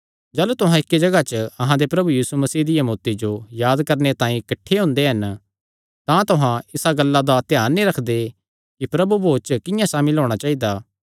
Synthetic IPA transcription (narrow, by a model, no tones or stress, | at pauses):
d͡ʒɐːlut̪ʊɦãɪkːed͡ʒɐɡat͡ʃəɐɦãd̪epɾɐbujiːsumɐsiːd̪ɪjɐmoːt̪ed͡ʒojaːd̪kɐɾnet̪ãːĩkɐʈʰːeɦʊ̃ːnd̪eɦɐn | t̪ãt̪ʊɦãɪsaɡɐlːad̪at̪ɪjaːɾnĩɾɐkʰd̪e | kipɾɐbuboːt͡ʃəkɪ̃jãsãːmɪloːɽ̃at͡ʃaːid̪aː